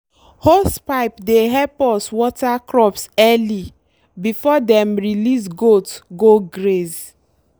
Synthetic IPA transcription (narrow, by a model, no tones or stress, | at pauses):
hospaɪpdeɦɛpɔswɔtakɹɔpsɛli | bifɔdɛ̃mɹilis̬ɡotɡoɡɾez